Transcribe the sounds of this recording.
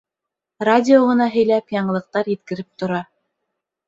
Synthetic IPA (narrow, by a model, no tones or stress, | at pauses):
radʲɪoʁɤ̆nɑɦɵ̆jlæpjɑɴɤlˠɤ̆q̚t̪ɑɾjɘ̆t̪kɘ̆ɾɘp̚t̪ŏɾɑ